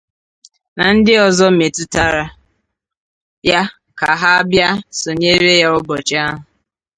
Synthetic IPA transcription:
na˨n̩˦dɪ˦ɔ˨zɔ˦me˨tʊ˦ta˦ɾa˦ | ja˦ | ka˨ɦa˦a˦bja˦so˨ɲe˦ɾe˦ja˦ʊ˦bɔ˨t͡ʃa˦ɦʊ˨

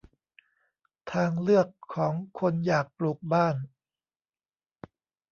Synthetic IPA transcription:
t̪ʰaː˧ŋlɯ˥˩əkʰːɔː˩˦ŋkʰo˧njaː˨˩k̚pluː˨˩k̚baː˥˩n

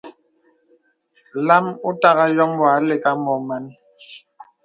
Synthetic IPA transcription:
la˦mu˦ta˦ɣa˦jɔ˦mwa˨˦le˨ka˦mɔ˨ma˦n˦

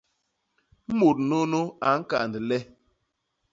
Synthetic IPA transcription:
m̩˦mo˨t̚no˦no˦a˨ŋ̩˦ka̰˨ndi˨lɛ˦

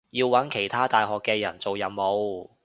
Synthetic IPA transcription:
jiː˧wwːɐ˨˥nkʰe˨˩jt̪ʰaː˥t̪aː˨jɦɔː˨kːɛː˧jɐ˨˩nt͡so˨wjɐ˨˩mmo˨˧w

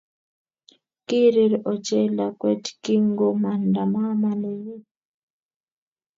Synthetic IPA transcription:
ki˦ɾe˦ɾɔ˨t͡ʃɛ˦la˨kwɛ˦tki˦ŋɡo˦ma˨nda˨ma˦ma˦ne˦ji˦

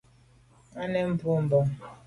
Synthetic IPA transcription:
a˦ne˦m̩˦pʊ˦m̩˦bɔ˦

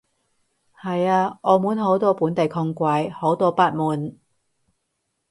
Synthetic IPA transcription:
hɐ˨jaː˧ʔɔː˨˧muː˨˥nɦo˨˥wt̪ɔː˥puː˨˥nt̪e˨jkʰʊ˧ŋkʷaː˧jho˨˥wt̪ɔː˥˧paː˥t̚muː˨˩n

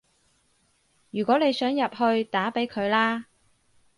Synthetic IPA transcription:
jyː˨˩kʷɔː˨˥ne˨˧jsœː˨˥ŋjɐ˨p̚hɵ˧ɥt̪aː˨˥pe˨˥jkʰɵ˨˧ɥlaː˥

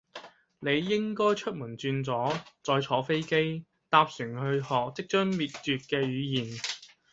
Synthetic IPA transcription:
ne˨˧jːɪ˥ŋkɔː˥jt͡ʃʰɵ˥t̚muː˨˩nt͡syː˧nt͡sɔː˨˥t͡sɔː˧jt͡sʰɔː˨˥fe˥jke˥j | t̪aː˧p̚syː˨˩ŋhɵ˧hɔː˨k̚t͡sɪ˥k̚t͡ʃœː˥ŋmiː˨t̚t͡ʃyː˨˧t̚kɛː˧ɥyː˨˧jiː˨˩n

